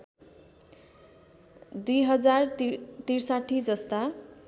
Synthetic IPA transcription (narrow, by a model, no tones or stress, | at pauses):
d̪ujɦʌd͡zart̪irsaʈʰːid͡zʌst̪a